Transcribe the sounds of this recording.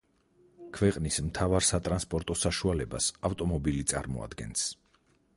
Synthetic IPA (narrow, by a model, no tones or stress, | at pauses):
kʰvɛqʼnism̩t̪ʰavaɾsat̪ʼɾanspʼɔɾt̪ʼɔsaʃualɛbasaft̪ʼɔmɔbilit̪sʼa̰ɾmɔ̰a̰d̪ɡɛ̰ns